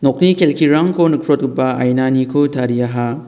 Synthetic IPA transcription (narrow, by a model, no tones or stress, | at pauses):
nok̚nikʰelkʰiɾaŋkʰonɯkʰɾot̚ɯpaa̰jnanikʰotʰaɾiaɦa